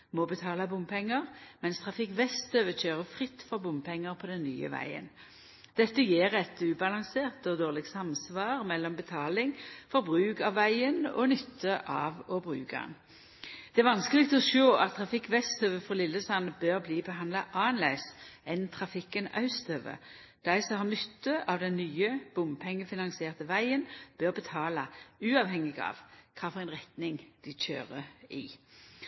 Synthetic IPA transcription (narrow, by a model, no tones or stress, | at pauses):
mɔbət̪ʰɑːlɑbʊmpʰɛŋːəʁmɛnst̪ʰʁɑfɪkʋɛst̪øʋəɕøːʁəfʁɪt̪ːfɔʁbʊmpʰɛŋːəʁpʰɔd̪ɛnːy̰ːə̰ʋæ̰ɪə̰n | d̪̥ɛt̪ːəjeːʁɛt̪ʉːbɑlɑŋseːʁt̪ɔd̪oːʁlɪɡsɑmsʋɑːʁmɛlːɔmbət̪ʰɑːlɪŋfɔɾbʁʉːkɑʋːæɪənɔ̰nʏt̪ʰːəʔɑːʋɔbʁʉ̰ːkɑ̰n | d̪̥ɛæɾʋɑnskəlɪɡt̪ɔʃoːʔɑt̪ʰːʁɑfɪkːʋɛst̪ʰœʋəfɔlɪlːəsɑnəbøːʁbliːbəɦɑnd̪lɑʔɑːnlæɪsɛnt̪ʰʁɑfɪkːənɑ̰ʉst̪ʰœʋə̰ | d̪̥æɪsɔmhɑʁnʏt̪ːəʔɑʋd̪ɛnːyːəb̥ʊmpʰɛŋːəfɪnɑnsɪeːʁt̪əʋæɪənb̥øːʁbət̪ʰɑːlɑʉːɑʋhɛŋːɪɡɑ̰ːʋkʰɑːfɔʁɛɪnʁɛt̪nɪŋd̪̥ɪc͡çø̰ːʁəḭː